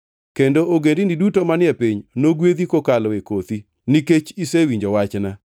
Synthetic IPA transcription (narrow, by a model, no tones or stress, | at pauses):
kendooɡendinidutomanɪɛpiɲnoɡwed̪ikokalɔekot̪i | niket͡ʃisewiɲd͡ʒowat͡ʃna